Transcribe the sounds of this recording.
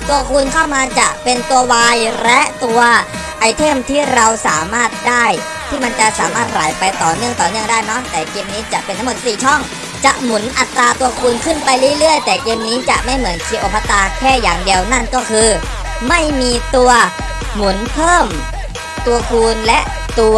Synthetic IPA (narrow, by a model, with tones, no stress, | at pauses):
t̪u˧ɐkʰuː˧nkʰa˥˩wmaː˧t͡ɕa˨˩ʔpe˧nt̪u˧ɐwaː˧jlɛ˦˥ʔt̪u˧ɐ | ʔa˧jt̪ʰe˥˩mt̪ʰiː˥˩ɾa˧wsaː˩˦maː˥˩t̪̚daː˥˩j | t̪ʰiː˥˩ma˧nt͡ɕa˨˩ʔsaː˨˩˦maː˥˩t̪̚ɾaː˩˦jpa˧jt̪ɔː˨˩nɯ˥˩əŋt̪ɔː˨˩nɯ˥˩əŋdaː˥˩jnɔ˦˥t̪ɛː˨˩keː˧mniː˦˥t͡ɕa˨˩pe˧nt̪ʰmo˨˩t̪̚siː˨˩t͡ɕʰɔ˥˩ŋ | t͡ɕa˨˩ʔmu˩˦nʔa˨˩t̪ɾaː˧t̪u˧ɐkʰuː˧nkʰɯ˥˩npa˧jlɯ˥˩˨lɯ˥˩əjt̪ɛː˨˩keː˧mniː˦˥t͡ɕa˨˩ʔma˥˩jmɯ˩˦ənkʰi˧ʔo˨˧˩pʰːa˧t̪aː˧kʰɛː˥˩jaː˨˩ŋdi˧əwna˥˩nkɔː˥˩kʰɯː˧ | ma˥˩jmiː˧t̪u˧ɐ | mu˨˩˦npʰɤː˥˩m | t̪u˧ɐkʰuː˧nlɛ˦˥ʔ | t̪u˧